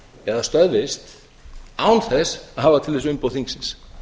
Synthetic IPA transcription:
ɛðast̪œðvɪst̪ | aːwnθɛsahaːvat̪ʰɪlvɛsʏmpowθiŋksɪns

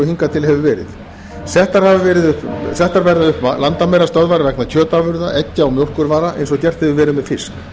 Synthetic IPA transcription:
ɔhiŋkat̪ʰɪlhɛvɪvɛːɾɪ̰ð | sɛht̪ːaɾ̥havɪvɛːɾɪðʏhpθɛht̪ːaɾvɛɾðaʏhpalant̪amɛjɾast̪œðvaɾvɛknacʰœːt̪avʏɾðaʔɛcːɪawmjowl̥kʏɾvaːɾaʔḛjnsɔcɛr̥t̪hɛvɪvɛːɾɪðmɛðfɪsk

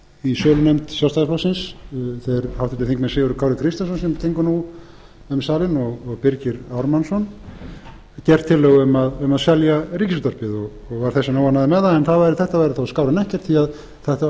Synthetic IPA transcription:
isœːlʏnemt̪sjawst̪aɣspʰlasɪnsθeɾhawht̪ʰɪlt̪ɪθiŋkmɛnseːɣʏɾʏkʰawɾɪkʰɾɪst̪jansɔnsɛmt̪ʰeŋkʏnu | ʏmsaːlɪnɔɣɔɣpɪɾcɪɾawɾmansɔn | cɛr̥t̪ʰːɪlːœɣʏmaðʏmaðsɛljaɾiːcɪst̪ɔɾpɪðɔɣ | ɔɣvaɾ̥θɛsːanoːwanaðɪmɛðaɛnθaðvajɾɪθɛht̪avajɾɪθaskaːwɾanɛhcɛ̥ɾ̥t̪θiað | θaht̪

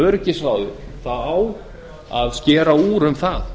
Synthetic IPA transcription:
œɾcɪsvaːwðʏθaðaw | a̰ðscɛːɾauːɾʏmθað

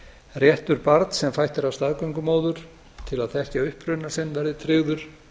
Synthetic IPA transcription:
rjɛht̪ʏɾpaɾt̪sɛmfajht̪ɪɾawst̪aɣkœɥŋkʏmoːwðʏɾ̥ | t̪ʰɪlaðθɛhcɪaʏhpɾʏnasɪnːvɛɾðɪt̪ʰɾɪːɣðʏɾ̥

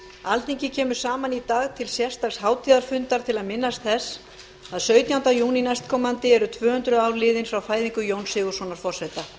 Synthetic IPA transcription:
alt̪iɲcɪcʰɛːmʏ̥saːmanit̪aːɣt̪ʰɪlsjɛr̥st̪aɣshaːwt̪ʰiːðaɾ̥fʏnt̪aɾ̥t̪ʰɪlaðmɪnːast̪θɛs | aðsœːɥt̪jawnt̪ajuːninajst̪̚kʰɔːmant̪ɪɛɾʏt̪ʰvœːhʏnt̪ɾʏaːwɾlɪːðɪnfɾawfaːjðiŋkʏjownsɪːɣʏ̥sɔnaɾ̥fɔr̥sɛjt̪a

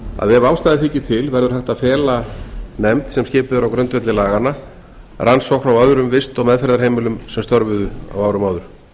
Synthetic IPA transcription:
a̰ðɛavaːwst̪aːjðɪθiːcɪt̪ʰɪlvɛɾðʏɾ̥haht̪aðfɛːlanɛmt̪sɛmscɪːpʏðʏɾawkɾœnt̪vɛt̪lɪlaːɣanːa | rʔansɔwhkɾawœðɾʏmvɪst̪ɔɣmɛðfɛɾðaɾheːjmɪlʏmsɛmst̪ɔɾvʏðʏa̰waːwɾʏmaːwðʏɾ̥

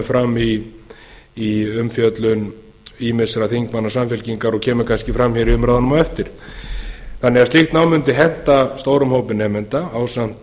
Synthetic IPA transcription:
fɾamːi | iʏmfjœt̪lʏn | iːmɪsɾaθiŋkmanːasamfɛlciŋkaɾɔɣcʰɛːmʏkʰanscɪfɾamːçɛɾiʏmɾaːðanʏmaɛft̪ɪɾ̥ | θanːɛɣast̪liht̪naːwmʏnt̪ɪɦɛn̥t̪ast̪oːwɾʏmhowpɪnɛːmɪnt̪aaːwsam̥t̪

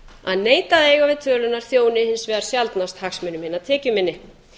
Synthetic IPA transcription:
aðneːjt̪aðeɣavɪðt̪ʰœːlʏnːaɾ̥θjoːwnɪhɪnsvɛːðaɾ̥sjalt̪nast̪haxsmʏnʏmhɪnːat̪ʰɛːcʏmɪnːɪ

